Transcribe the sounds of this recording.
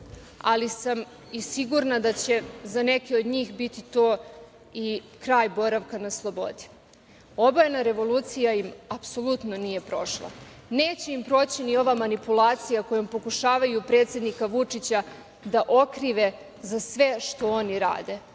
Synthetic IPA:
a̰lisam | isiɡuɾnad̪at͡ɕe̞zane̞kio̞d̪ɲiːxbit̪it̪o̞ː | i | kɾaːjbo̞ɾaʋkanaslˠo̞bo̞̰d̪i̥ | o̞bajenaɾe̞ʋo̞lˠuːt̪sijaimapso̞lˠut̪no̞nije̞pɾo̞̰ʃlˠa̰ | neːt͡ɕeimpɾo̞ːt͡ɕinio̞ʋamanipulˠaːt̪sijako̞jompo̞kuʃaːʋajupɾe̞ːt̪sje̞d̪nikaʋut͡ʂit͡ɕa | d̪aʔo̞kɾiʋe̞ | zasʋe̞ʃt̪o̞oniɾa̰ːd̪e̞

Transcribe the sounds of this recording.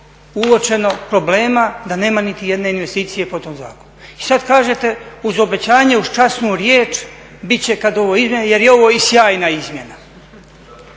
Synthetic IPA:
uot͡ʃe̞no̞pɾo̞ble̞ːmad̪ane̞ːmanit̪ije̞d̪ne̞inʋe̞st̪iːt̪sije̞pot̪o̞mza̰ːko̞nuisad̪kaːʒe̞t̪e̞uzo̞be̞t͡ɕaːɲeuzt͡ʃasnuːɾjeːt͡ʃ | bitt͡ɕe̞kad̪o̞ʋo̞izmʲjeneje̞ɾjeo̞ʋo̞ːisjaːjnaizmje̞na

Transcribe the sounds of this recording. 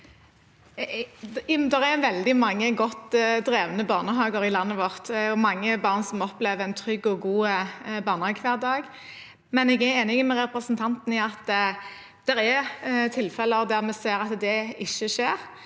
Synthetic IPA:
jmd̪ɛʁɛʋɛld̪ɪmɑŋːəɡɔt̪ːd̪ɾeːʋənəbɑːnəɦɑːɡəɾɪlɑnːəʋɔʁt̪ɔmɑŋːəbɑʁnsɔmɔpleːʋəʁɛnt̪ʰɾʏɡɔɡuːbɑːʁnəhɑːɡkʰʋæːʁd̪ɑːɡ | mɛnɛɡɛɾeːnɪŋəmɛɾɛpɾəsnt̪ʰɑnt̪n̩ɪɑt̪ | d̪̥ɛɾɛt̪ʰɪlfɛləd̪æʁmɛseːɾɑt̪d̪ɛɪʃəʃeːɾ

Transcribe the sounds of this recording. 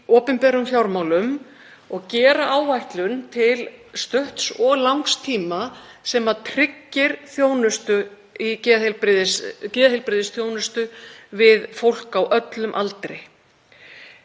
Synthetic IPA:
ɔːpɪmpɛːɾʏmfjawɾmawlʏm | ɔɣcɛːɾaʔaːwvajht̪lʏnt̪ʰɪlst̪ʏht̪sɔɣlawŋkst̪ʰiːma | sɛmaðt̪ʰɾɪcːɪɾ̥θjoːwnʏst̪ʏ | icɛːðhɪlpɾɪðɪscɪːðahɪlpɾɪðɪsθjoːwnʏst̪ʏvɪðfowl̥kawʔœt̪lʏmʔa̰lt̪ɾɪ

